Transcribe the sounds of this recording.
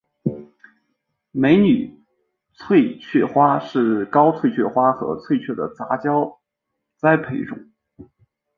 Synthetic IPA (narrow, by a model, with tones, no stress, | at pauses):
me˧˥ɪny˨˩ | t͡sʰwe˥˧ɪt͡ɕʰɥɛ˥˩xwa˥ʂɻ̩˥˩kɑ˥ʊt͡sʰwe˥˧ɪt͡ɕʰɥɛ˥˩xwa˥xɤ̰˧˥t͡sʰwe˥˧ɪt͡ɕʰɥɛ˥˩d̪ə̰˩t͡sa˧˥t͡ɕjɑ˥ʊ | t͡sa˥ɪpʰe˧˥ɪʈ͡ʂʊ̰˨˩˦ŋ